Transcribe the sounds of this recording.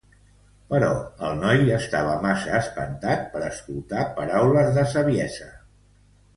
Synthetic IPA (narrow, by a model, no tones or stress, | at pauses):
pəɾɔ̰əlˠnɔjəst̪aβ̞əmasəːspə̰nt̪at̪̚pəɾəsk̪ult̪apəɾawləzðəsəβiɛzə